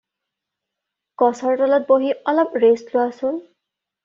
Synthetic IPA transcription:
kɔsɔɹtɔlɔt̚boɦiɔlɔbɹeslʊwasʊn

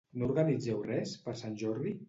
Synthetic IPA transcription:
nouɾɣanid͡zɛwrɛspəɾsanʲʒɔɾði

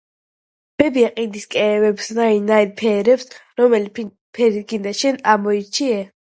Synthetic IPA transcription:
b̥ɛbiaqʼid̪iskʼɛːvɛpsnainaid̪pʰɛːɾɛpsɾɔmɛli | pʰɛɾiɡind̪aʃɛnamɔit͡ʃʰiɛ

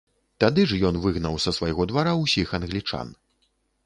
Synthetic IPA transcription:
t̪ad̪ɨʐjɔnvɨɣnɐwsɐsvajɣɔd̪vaɾawsʲixɐnɣlʲit͡ʂa̰n

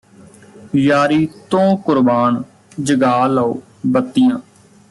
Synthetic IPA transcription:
jaːɾiːt̪õːkʊɾbaːn | d͡ʒəɡaːlaːoː | bət̪ːɪjãː

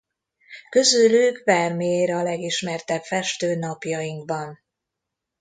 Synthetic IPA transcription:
kø̞zylyɡvɛrmijeːɾɛɒlɛɡiʃmɛrt̪ɛbfɛʃt̪øːnɒpjɒjiŋɡbɒn

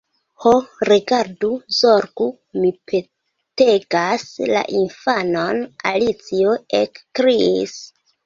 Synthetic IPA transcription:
hoɾiɡaɾduzoɾɡu | mipʰe̞ | te̞ɡasla̰ʔinfanona̰lit͡sioekkɾiis

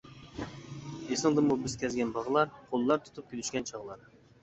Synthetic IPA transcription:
esɨŋd̪ɨmubɪskʲʰɛzɡʲɛnbɑʁlˠɑɾqʰolˠːɑɾt̪ʰu̥t̪ʰup̚kʲilyʃkʲɛnt͡ʃʰɑʁlˠɑɾ

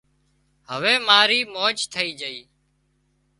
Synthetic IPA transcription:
ɦəʋeːmaːɾiːmoːt͡ʃt̪ʰəiːd͡ʒəiː

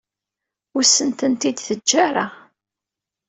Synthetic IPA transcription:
ʊɾsːənt̪ənt̪id̪θəd͡ʒːaɾˤa

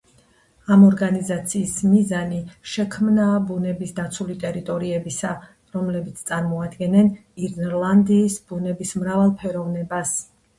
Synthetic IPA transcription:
amɔɾɡanizat̪sʰiːsmizaniʃɛkʰmnabunɛbisd̪at̪sʰulit̪ʼɛɾit̪ʼɔɾiɛbisa | ɾɔmlɛbit̪sʰt̪sʼaɾmɔad̪ɡɛnɛniɾnɾlˠand̪iːsb̥unɛbismɾavalˠpʰɛɾɔvnɛbas

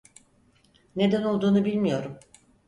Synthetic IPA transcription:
ne̞d̪æno̞lˠd̪uːnubilʲmijo̞ɾum

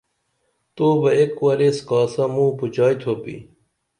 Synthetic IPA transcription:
t̪oːbɐekwɐɾeːskaːsamũːput͡ɕaːit̪ʰoːpḭː

